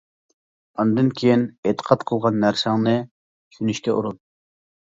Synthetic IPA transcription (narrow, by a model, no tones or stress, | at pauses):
ɑnd̪ɨnkʲʰejinet̪ʰə̥qʰɑt̪qʰəlˠʁɑnːæɾsɑŋnɨ | t͡ʃʰynyʃt̪ʰʲɛʔṵɾut̪̚